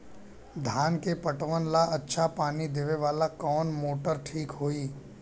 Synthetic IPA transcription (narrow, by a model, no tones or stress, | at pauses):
d̪ʱaːnkepəʈəʋənlaʔɐtːʃʰapaːnid̪eʋeʋaːlakɔːnmoːʈəɾʈʰiːkɦoːiː